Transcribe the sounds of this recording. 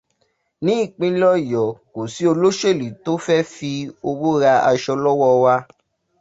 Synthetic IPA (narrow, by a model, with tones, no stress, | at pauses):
nĩ˨˦i˦˨k͡pĩ˧˦lɔ˦˨jɔ˨ko˨si˨˦o˧lo˦ʃe˦˨li˨to˨˦fɛ˦fi˧o˧wo˦ɾa˧a˧ʃɔ˧lɔ˦wɔ˦wa˦˧